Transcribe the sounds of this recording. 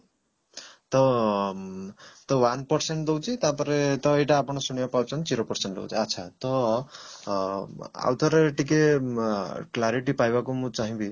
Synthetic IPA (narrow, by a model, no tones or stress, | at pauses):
t̪ɔ | t̪ɔwanpɔɾseɳʈd̪ɔwt͡ʃʰit̪apɔɾet̪ɔejʈaːpɔɽ̃ɔsuɽ̃ijapawt͡ʃʰɔnt͡ʃiɾopɔɾseɳʈdo̰wt͡ʃʰiatːt͡ʃʰat̪ɔ | a̰wt̪ʰɔɾeʈike | klaɾiʈipajbakumũt͡ʃaɦĩbi